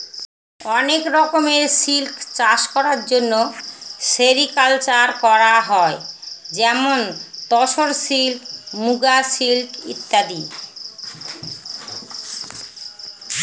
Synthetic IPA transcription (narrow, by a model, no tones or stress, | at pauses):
ɔnekɾɔkomeɾsilkt͡ɕaʃkɔɾaɾd͡ʑonːoʃeɾikalt͡ɕaɾkɔɾaɦɔed͡ʑɛmont̪ɔʃoɾsilkmuɡasilkḭt̪ːad̪i